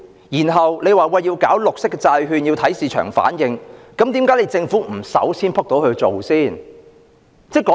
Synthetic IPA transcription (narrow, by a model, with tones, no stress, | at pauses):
jiː˨˩nɦɐ˨wle˨˧jwaː˨˩wɐ˧ji˧wkaː˨˥wlʊ˨k̚sɪ˥kːɛ˧t͡saː˧jɦyː˧nji˧wt̪ʰɐ˨˥jsiː˨˩t͡ʃʰœ̰ː˨˩ŋfa̰ː˨˥njɪ˧ŋkɐ˨˥mt̪iː˨˥mkaː˨˥jle˨˧jt͡sɪ˧ŋfuː˨˥m̩˨˩sɐ̰˨˥wsʰiː˥npʰɐ˥k̚t̪o˨˥whɵ˧ɥt͡so˨wsiː˥˩n | t͡sɛː˥kɔː˨˦